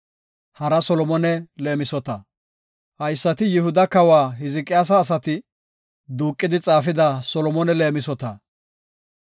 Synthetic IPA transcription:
hɐɾɐsɔlɔmɔnɛle̞ːmɪsɔt̪ɐ | hɐjsːɐt̪ɪjɪhʊd̪ɐkɐwaːɦɪzɪkʼɪjaːs̬ɐːs̬ɐt̪ɪ | d̪uːkʼːɪd̪ɪt͡sʼaːfɪd̪ɐsɔlɔmɔnɛle̞ːmɪsɔt̪ɐ

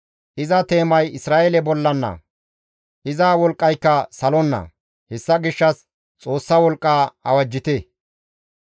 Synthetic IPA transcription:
ʔɪzɐt̪e̞ːmɐjɪsɾaːʔelɛbɔlːɐnːɐ̰ | ʔɪzaːwɔlkʼːɐjkːɐsɐlɔnːɐ̰ | hɛsːɐɡɪʃːɐs | t͡sʼo̞ːsːɐwɔlkʼːaːɐ̰wɐd͡ʒːɪt̪ɛ

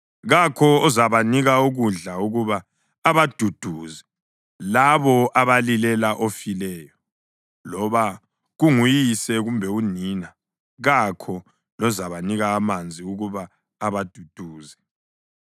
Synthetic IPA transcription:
ɣakʰɔɔzaβaniɣauɣuɮauɣuβaː | βad̥ʱud̥ʱuːzɛ | laβɔʔaβalilɛlaʔofilɛːjɔ | lɔβa | ɣuŋujisɛɣumbʱɛuniːna | ɣakʰɔ | lɔzaβaniɣaːmand͡zʱiuɣuβaː | βad̥ʱud̥ʱuːzɛ

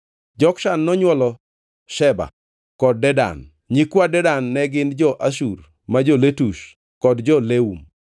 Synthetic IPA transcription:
d͡ʒɔkʃanːɔɲwɔlɔ | ʃɛba̰ | kɔd̚ːɛda̰n | ɲikwadɛdanːɛɡɪnd͡ʒɔʔaʃ̬ur | mad͡ʒɔletuʃ | kɔdd͡ʒɔleum

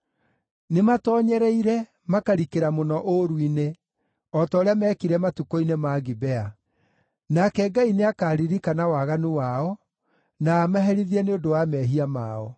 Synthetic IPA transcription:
nematɔɲɛɾɛiɾɛ | makaɾikeɾamonɔʔoɾwine | ɔtɔːɾeamɛːkiɾɛmatukoinemaːɣibɛa | nakɛɡaineakaːɾiɾikanawaɣanuwaɔ | naːmaɦɛɾiðiɛneodowamɛɦiamaːɔ

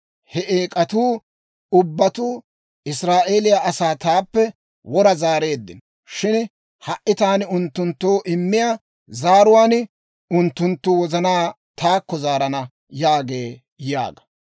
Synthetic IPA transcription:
hɛʔeːkʼɐt̪uː | ʊbːɐt̪uː | ɪsɾaːʔe̞ːlɪjaʔɐsaːt̪aːpːɛ | wɔɾɐzaːɾe̞ːd̪ːɪn | ʃɪn | hɐʔʔɪt̪aːnɪʊnt̪ːʊnt̪ːoːʔɪmːɪja | zaːɾʊwaːn | ʊnt̪ːʊnt̪ːʊwɔzɐnaː | t̪aːkːɔzaːɾɐnɐ | jaːɡeː | ja̰ːɡɐ̥

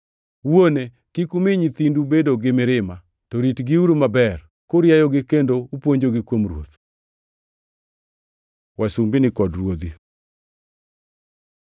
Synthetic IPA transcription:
wone | kikumɪɲit̪indubedoɡɪmɪɾɪma | tɔɾitɡiuɾumabɛr | koɾjajɔɡɪkendoupwoɲd͡ʒoɡɪkwomɾwo̰t̪ | wasumbinɪkɔdrwod̪i

